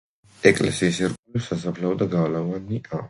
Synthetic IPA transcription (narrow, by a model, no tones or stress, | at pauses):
ɛkʼlɛ̰siːsɛɾkʼulɛsasapʰlaɔd̪aɡalavaniʔa